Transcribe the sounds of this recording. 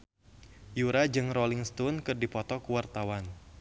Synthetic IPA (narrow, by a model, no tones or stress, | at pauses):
juɾad͡ʒɨŋrɔliŋst̪unkɨrdipɔt̪ɔkuwart̪awan